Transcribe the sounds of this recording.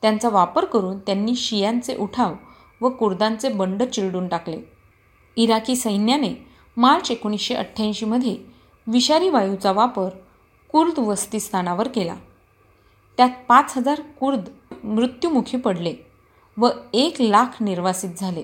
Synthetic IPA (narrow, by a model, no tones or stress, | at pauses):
t̪jant͡saʋapəɾkəɾuːnt̪janːiːɕijant͡seʔuʈʰaʋ | ʋəkuɾd̪ant͡sebəɳɖət͡ɕiɭɽuːnʈaklḛ | iɾakiːsəjnjane | maɾt͡sekoɽ̃isɕeʔə̰ʈʰːjãɕiːməd̪ʱːje | ʋiɕaɾiːʋajut͡saʋapəɾ | kuɾd̪ʋəst̪iːst̪ʰanaʋəɾkela̰ | t̪jat̪̚pat͡sɦəd͡zaɾkuɾd̪mɾut̪jumukʰiːpəɽle | ʋəeklakʰniɾʋasiːt̪̚d͡zʱale